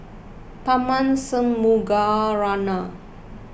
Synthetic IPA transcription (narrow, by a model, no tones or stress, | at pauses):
pamansəmːuɡaɾana